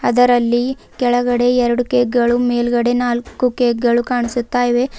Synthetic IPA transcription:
ɐd̪ɐɾɐlːi | kɛɭɐɡɐɽe̞ɛɾɐɽukeːk̚ɡɐɭumeːlɡɐɽe̞naːlkukeːɡ̚ɡɐɭukaːɳisut̪ːaːjʋe̞

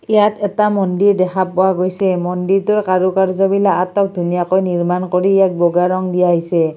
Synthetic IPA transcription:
ijatɛtamɔndiɹdɛxʰapːɔwaɡojsɛmɔndiɹtʊɹkaɹukaɹzɔbilaatɔk̚dʱunijakojniɹmankoɹijak̚bɔɡaɹɔŋdijaɦisɛ

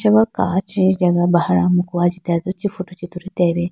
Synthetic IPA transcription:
ʃaβaka̰ciɟaɡaβahaɾamukuβaɟitazocifutucituɾiteɾe

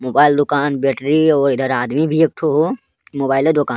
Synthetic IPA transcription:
moːbaːɪld̪ʊkaːnbɛːʈɾiɔːɾɪd̪əɾaːd̪mibʱiek̚ʈʰoɦoː | moːbaːɪled̪ʊkaːn

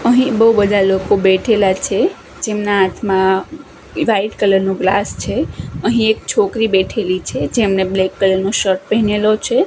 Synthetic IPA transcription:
əɦĩbəɦubəd̪ʱalokobeʈʰelat͡ʃʰe | d͡ʒemnaat̪ʰmã | ʋaiʈkələɾnõɡlast͡ʃʰeəɦĩek̚t͡ʃʰokɾibeʈʰelit͡ʃʰed͡ʒemneblekːələɾnoʃəɾʈ̚pəɦinelot͡ʃʰe

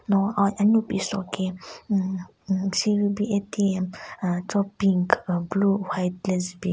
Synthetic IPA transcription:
nɔaaɲupisɔkʰe | siwibietʰiɛmtɔpiŋkbluwajt̪̚lɛsbi

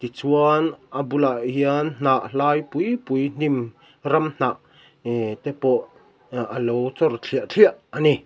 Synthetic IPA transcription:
t̪it͡suanʔabulaʔɦiann̥aʔlaːjpujpujn̥im | rɐmn̥aʔ | t̪ɛpɔʔ | ʔəlowt͡sɔrt͡ɬʰiəʔt͡ɬʰiaʔːani

